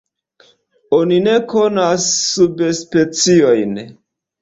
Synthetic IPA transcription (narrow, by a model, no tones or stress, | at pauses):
onine̞ko̞nasːubespe̞t͡sio̞jn